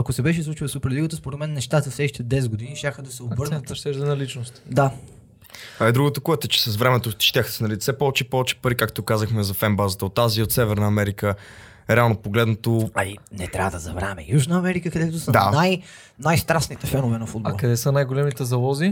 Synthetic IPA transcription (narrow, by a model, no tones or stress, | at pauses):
ɐkʊsɛbɛʃɛslˠut͡ʃilˠsupɛɾliɡət̪əspoɾɛt̪mɛnːɛʃt̪at̪ɐfsɛʃt̪ɛd̪ɛs̬ɡʊd̪iniʃt̪ʲaxəd̪ɐsɛobɤɾnt̪ʃt̪ɛʒd̪ɛnɐlit͡ʃnost̪d̪a | t̪vaɛd̪ɾuɡot̪okuɛt̪ɛt͡ʃɛ̥sɐsvɾɛmɛt̪oʃt̪ʲjaxsɛnɐlit̪sɛpɔvɛt͡ʃɛpɔvɛt͡ʃɛ̥pəɾikakt̪okazəxmɛzɐfɛmbazət̪əot̪ːaziot̪sɛvɛɾnəɐmɛɾikə | ɾɛalˠnopoɡlɛd̪not̪oɐlḭnɛt̪ɾʲʔa̰vəd̪ɐzɐ̰vɾɛ̰mɛ̰juʒnəɐmɛɾikəkɐd̪ɛt̪ʊsəd̪anaj | najst̪ɾasnit̪ɛfɛnʊvɛnɐfud̪̚bɐɔlˠkɐd̪ɛsənajɡolɛmit̪ɛzɐlˠɔzi